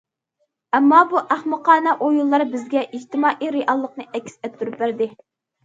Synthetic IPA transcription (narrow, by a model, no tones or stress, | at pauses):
ɛmːɑbuʔæχmɨqʰɑːnɛʔojulˠːɑɾbɪzɡʲɛʔid͡ʒt̪ʰɪmɑːʔiɾeʔɑlˠːəq̚nɨʔɛkʲːsɛt̪ʰːuɾup̚bæɾd̪ɪ